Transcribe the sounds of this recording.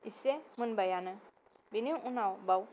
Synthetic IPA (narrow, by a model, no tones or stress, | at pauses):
isemənbəjanə | biniwʔunawbaw